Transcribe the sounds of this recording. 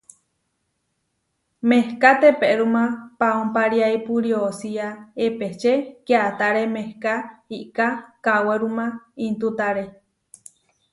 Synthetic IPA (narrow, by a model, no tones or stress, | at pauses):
mehkat̪epeʔɾumãpaompaɾiaipuɾiosiaepeht͡ʃekeat̪aɾemehkaiʔkakaweɾumãint̪ut̪aɾe